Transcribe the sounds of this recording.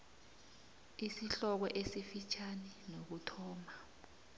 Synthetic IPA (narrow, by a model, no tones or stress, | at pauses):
isiɬɔk̬ɔʔesifit͡ʃʰanɛnok̬utʰɔːma